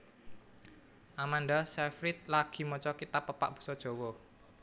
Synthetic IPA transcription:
ʔamanɖasɛfɾɪt̪̚laɡ̥i̤mɔt͡ʃɔkit̪apːəpa̰ʔb̥ṳ̥sɔd̥ʒ̥o̤wɔ

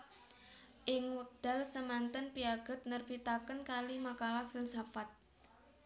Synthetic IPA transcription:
ʔɪŋud̪̥a̤lsəmant̪ənpiaɡ̥ə̤t̪̚nərb̥it̪akənkalimakalafilsafat̪̚

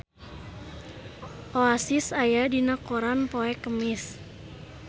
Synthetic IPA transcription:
ʔoasisajadinakoɾanpoɛkəmɪs

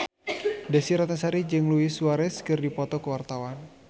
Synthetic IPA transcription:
dasiɾat̪asaɾid͡ʒɨŋluɪsuaɾɛskɨrdipɔt̪ɔkəwart̪awan

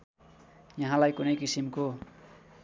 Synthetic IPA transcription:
jaɦãlajkunʌjkisimko

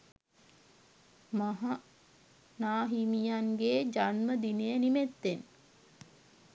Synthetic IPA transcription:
maɦa | naːɦimijanɡeːd͡ʒanməd̪inejənimet̪ːen

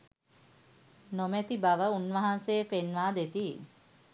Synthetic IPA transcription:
nomæt̪ibaʋəunʋəɦanseefenʋaːd̪et̪i

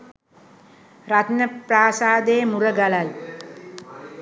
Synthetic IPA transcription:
ɾat̪nəpraːsaːd̪eːmuɾəɡalal

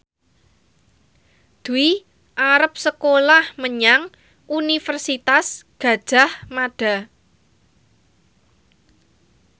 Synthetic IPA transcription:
d̪̥ui | ʔaɾəp̚səkolahməɲaŋ | ʔunifərsit̪asɡ̥ä̤d̥ʒ̥a̤hmaɖ̥a̤

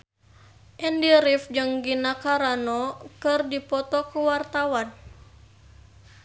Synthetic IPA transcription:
ʔɛndiɾifd͡ʒɨŋɡinakaɾanɔkɨrdipɔt̪ɔkuwart̪awan

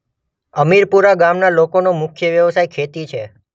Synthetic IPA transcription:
əmiɾpuɾaɡamnalokonomʊkʰjəʋjəʋsajkʰet̪it͡ʃʰe

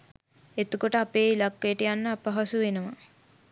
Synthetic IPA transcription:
et̪ukoʈəapeːilakːejəʈəjanːəapaɦasuʋenəʋa

